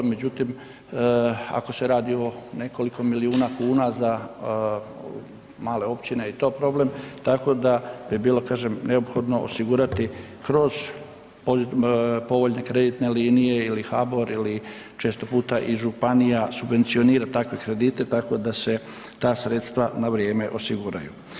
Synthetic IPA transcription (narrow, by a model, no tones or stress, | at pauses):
me̞d͡ʑut̪im | a̰ko̞se̞ɾaːd̪io̞ne̞ko̞liko̞miliuːnakuːnaza | maːle̞o̞pt͡ɕineit̪o̞ːpɾo̞ble̞mt̪ako̞d̪abibiːlo̞kaːʒemne̞opxo̞d̪no̞o̰siɡuɾat̪i | kɾo̞z | pozipo̞ʋo̞ʎne̞kɾe̞d̪it̪ne̞liːnijeilixabo̞ɾili | t͡ʃeːst̪o̞puːt̪aʔiʒupanijasubʋe̞nt̪sio̞niːɾat̪akʋe̞kɾe̞d̪iːt̪e̞t̪ako̞d̪ase̞ | t̪aːsɾe̞t̪st̪ʋanaʋɾjeːme̞ʔo̞siɡuɾajṵ